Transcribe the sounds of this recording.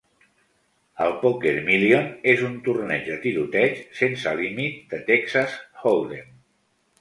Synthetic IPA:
əlˠpokeɾmilionezunt̪urnɛd͡ʒd̪ət̪iɾut̪ɛt͡ʃsensəlimit̪̚d̪ət̪ɛksasholˠd̪en

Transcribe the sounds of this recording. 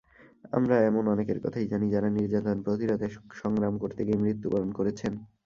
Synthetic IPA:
a̰mɾaɛmonɔnekeɾkɔ̰t̪ʰajd͡ʑanid͡ʑaɾaniɾd͡ʑat̪onpɾot̪iɾot̪eʃɔŋɡɾamkoɾt̪ʰekemɾit̪ːupalonkoɾet͡ɕʰen

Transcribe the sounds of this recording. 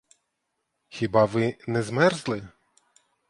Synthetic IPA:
xʲibɑʋɪnɛzmɛrzlˠɪ

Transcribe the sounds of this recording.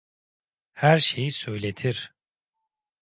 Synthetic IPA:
hæɾʃe̞jisø̞jlʲet̪ʰiɾ̥

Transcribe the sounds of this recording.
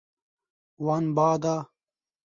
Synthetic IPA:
wanbaːd̪aː

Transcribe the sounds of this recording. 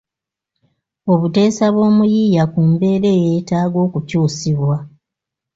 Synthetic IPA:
o̞βute̞ːsaβwo̞ːmujiːjakumbe̞ːɾe̞je̞ːtaːɡo̞ːkucuːsiβwa

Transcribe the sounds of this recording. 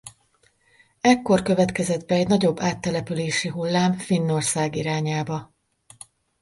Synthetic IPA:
ɛkːo̞rkø̞vɛt̪kɛzɛd̪bɛːɟnɒɟo̞bːaːt̪ːɛlɛpyleːʃiɦulːaːmfinːo̞rsaːɡiɾaːɲaːbɒ

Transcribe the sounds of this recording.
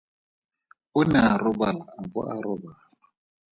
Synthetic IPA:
ʊnɛarʊbalaːbʊ̰ʔa̰ɾʊbaːla

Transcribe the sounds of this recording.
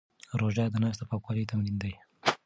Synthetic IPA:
ɾoʒad̪ənɑs̬t̪apɑkwɑlet̪amlind̪aj

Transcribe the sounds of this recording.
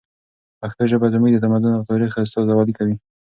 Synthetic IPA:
axt̪aʒəbazaməjd̪ət̪amad̪ʊnat̪ɑɾixas̬t̪ɑzawɑd̪ikawi

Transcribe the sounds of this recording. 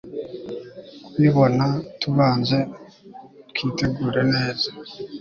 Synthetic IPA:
kwiːβo̞natuβaːnze̞ | kʰiːteɡuːɾe̞ne̞ːza

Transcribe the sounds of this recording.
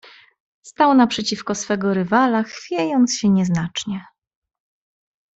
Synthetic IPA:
st̪awnapʂɛt͡ɕifkɔsfɛɡɔɾɘvalaxfʲjejɔnt̪sɕɛɲɛznat͡ʂɲɛ

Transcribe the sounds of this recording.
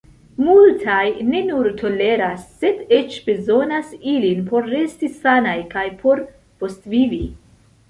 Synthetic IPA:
multʰajne̞nuɾtʰo̞le̞ɾasːe̞de̞t͡ʃb̥e̞zo̞nasilinpo̞ɾːe̞stisanajkajpʰo̞ɾ | po̞stvivi

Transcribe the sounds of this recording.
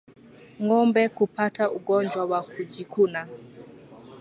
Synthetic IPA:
ŋɔmbɛkupatauɡɔɲd͡ʒwawakud͡ʒikuna

